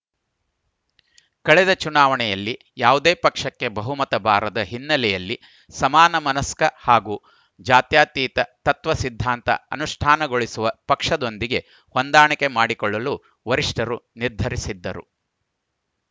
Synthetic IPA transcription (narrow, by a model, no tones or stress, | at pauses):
kɐɭɛd̪ɐt͡ʃunaːʋɐɳɛjɐlːi | jaːʋud̪eːpɐkʂɐkːe̞bɐɦumɐt̪ɐbʱaːɾɐd̪ɐɦinːɐlɛjɐlːi | sɐmaːnɐmɐnɐskɐhaːɡuː | d͡ʒaːt̪jaːt̪iːt̪ɐt̪ɐt̪ʋɐsid̪ʱːaːnt̪ɐ̰ɐ̰nuʂʈʰaːnɐɡo̞ɭisuʋɐpɐkʂɐd̪o̞nd̪iɡe̞ | hond̪aːɳɐke̞maːɽikɔɭːɐlu | ʋɐɾiʂʈʰɐɾuniɾd̪ʱɐɾisid̪ːɐɾṵ